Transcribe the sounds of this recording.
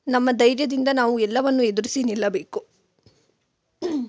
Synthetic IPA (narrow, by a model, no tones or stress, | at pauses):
nɐmːɐd̪ɐjɾjɐd̪ind̪ɐnaːʋuɛlːɐʋɐnːued̪uɾisinilːɐbe̞ːku